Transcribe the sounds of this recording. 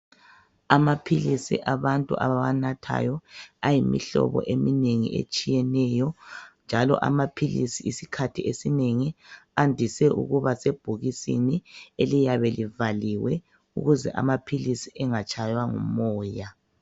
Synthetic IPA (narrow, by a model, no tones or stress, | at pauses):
amapʰilisḭʔaβantʼṵʔa̰βanatʰa̰jɔajimḭɬɔ̰βɔ̰ʔemineŋḭʔḛt͡ʃʼijɛnɛjɔnd͡ʒʱalɔ̰ʔa̰mapʰilisiːsikʰatʰiesineŋiandʱisɛʔṵɣuβaseb̥ʱuɣisinielijaβɛlivaliwɛ | ṵɣuzɛʔa̰mapʰilisiʔɛŋat͡ʃʰʼajwaŋṵmɔːja